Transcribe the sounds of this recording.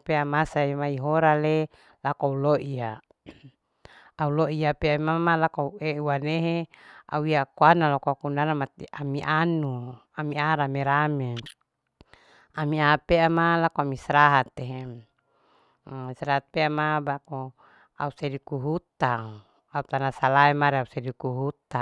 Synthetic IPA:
peamasamaiɦoɾale | lakauloʔia | auloiapeamamalakoaueuwaneɦea̰uiakuanalakoakunaɾamat̪iʔamiʔanuamiaɾameɾame | amiapeamalakoamisɾaɦat̪eɦe | sɾaɦat̪̚peamabako | a̰usedikuɦut̪a | aut̪anasalaemaɾeausedikuɦut̪a

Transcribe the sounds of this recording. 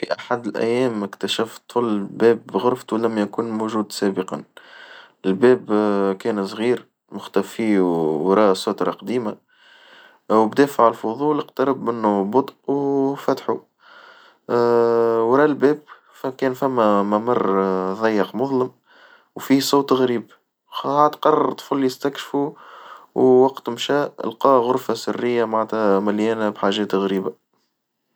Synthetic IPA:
fiʔaħad̪ɪlʔæ̰jːɛːmɪkt̪æʃæft̪ˤʊlːbɛːbɣʊɾft̪ulæmːjækuːnmuʒuːd̪sæːbəqɑn | ɪlbɛːbkɛːnsˤɣiːɾ | mʊxt̪æfiːwɾˤɑːsˤoːt̪ɾˤɑqɑd̪iːma | wbd̪ɛːfaʕalfʊðˤuːlɪqt̪ɑɾˤɑbmɪnːubʊt̪ˤʔuwfæt̪ħu | wɾˤɑːlbɛːb̚ | fkɛːnfæmːæmamɑrˤːðˤɑjːəqmʊðˤləm | wfiːsˤoːt̪ɣɾiːb | aːd̪qɑrˤɑɾt̪ˤfulːijɪst̪ækʃfu | wwɑqt̪mʃæːʔə̰lqɑːɣʊɾfasɪrːɪjːamaʕt̪æmæljɛːnabħaːʒɛːt̪ɣɾiːba

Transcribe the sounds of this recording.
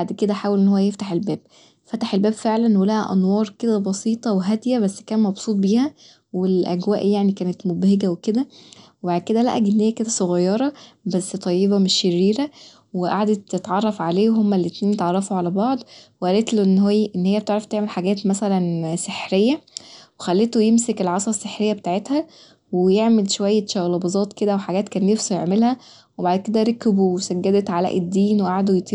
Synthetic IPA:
baʕd̪ked̪æħaːwælʔenːhowːæjeft̪aħelbæːb̚ | fæt̪aħelbæːbfeʕlænːhulæhæʔɑ̰nwɑːɾˤked̪æbɑsiːt̪ˤɑweɦæd̪jæbæsːkæːnmɑbsˤuːt̪̚ˤbiːhæ | welʔæ̰ɡwæːʔjaʕnikæːnet̪mobheɡæweked̪æwebaʕd̪̚ked̪ælæ̰ʔæɡienːhejːæked̪æsˤoɣɑjːɑɾˤɑbæsːt̪ˤɑjːebæmeʃjeɾːiːɾæ | weʔa̰ʕd̪etːet̪ʕɑrˤːɑfʕaleːweɦomːælːet̪niːnjet̪ʕɑrˤːɑfoʕalæbɑʕd̪ˤweʔælet̪loʔenːɦoʔenːhejːæb̚t̪eʕɾˤɑft̪eʕmelħaɡæːt̪mæsælænseħɾejːæwexælːet̪ojemsekelʕɑsˤɑsːeħɾejːæbet̪aːʕet̪hæ | wejeʕmelʃowæjːæʃæwlɑbɑzˤɑːt̪ˤked̪æweħaɡæːt̪kæːnːefsujeʕmelhæ | webaʕd̪̚ked̪æɾˤɑkbuwesæɡːæd̪et̪ʕalæ̰ʔed̪ːiːnweʔaʕd̪ojet̪ˤi

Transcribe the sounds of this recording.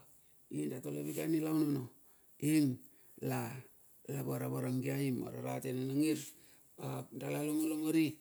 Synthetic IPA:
indatoleβika̰nilanono | in | la | laβaɾaβaɾaŋɡiaima̰ɾa̰ɾatenanaŋiɾ | adalaloŋaloŋaɾi

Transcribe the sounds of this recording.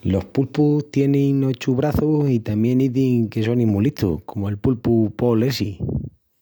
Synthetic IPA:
lo̞hpulput̪je̞nĩŋot͡ʃuβɾaθusit̪amjẽ̞niðiŋke̞so̞nĩmuliht̪ʰṵhkʰo̞moe̞lpulpupo̞lesi

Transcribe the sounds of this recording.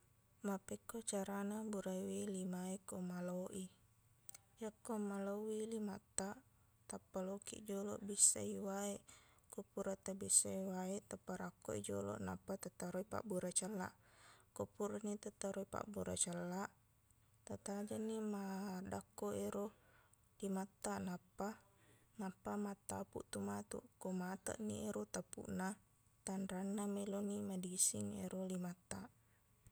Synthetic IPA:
mapɛkːot͡ʃaɾanabuɾaiwelimaekomaloʔi | jakːomalowilimat̪ːa | t̪apːalokḭʔd͡ʒolo̰ʔbisa̰iwaeʔ | kupuɾat̪abisaiwaet̪apːaɾakːoḭd͡ʒo̰lɔ̰ʔna̰pːat̪at̪aɾoipa̰ʔbuɾat͡ʃəlːa̰ʔkopuɾanit̪at̪ːaɾoipa̰ʔbuɾa̰t͡ʃəlːaʔ | t̪at̪ad͡ʒanːimadakːoeɾo | limat̪ːanapːa | napːamat̪ːapṵʔt̪umat̪ṵʔkomat̪ə̰ʔnieɾot̪apṵʔna | t̪anɾanːamelonimadisiŋeɾolimat̪ːaʔ

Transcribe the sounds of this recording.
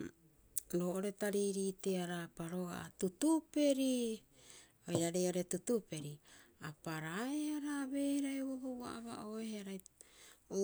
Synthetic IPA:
ɾoːʔoɾetaɾiɾiːteaɾapaɾo̞ɡa̰atutupe̞ɾi | ojaɾeoɾe̞tutupe̞ɾiapaɾaeaɾaβe̞ːheɾaeβobowa̰ʔaβa̰ʔoeheaɾaj | o

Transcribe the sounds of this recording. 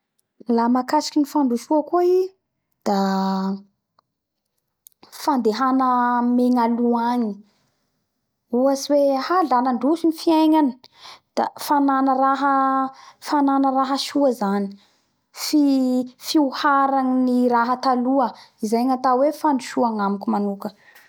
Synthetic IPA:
lamakasi̥kʲinifaɳɖ͡ʐuʃuakoi | d̪̥a | fand̪eɦanəmeŋaluaɲi | uasiwehalanaɳɖ͡ʐusinifiajɲani̥d̪̥afananəɾaɦə | fananəraɦəʃuəzani̥ | fifiuhaɾaŋiniɾaɦət̪aluəizajŋat̪awefaɳɖ͡ʐuʃuaŋamikʲumanukə

